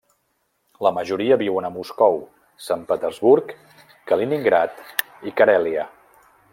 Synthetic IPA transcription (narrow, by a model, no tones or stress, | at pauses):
ləməʒuɾiəβiwənəmuskɔw | sampət̪əɾzβuɾkː | əliniŋɡɾat̪ | ikəɾɛliə